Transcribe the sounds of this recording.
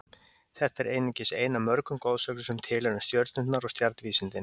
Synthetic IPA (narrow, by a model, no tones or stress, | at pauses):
θɛht̪ɛɾʔejnɪcɪseːjnamœɾkʏmkoːwðsœːklʏsɛmt̪ʰɪːlɛɾʏmst̪jœɾt̪nʏnt̪naɾɔst̪jaɾt̪nviːsɪnt̪ɪn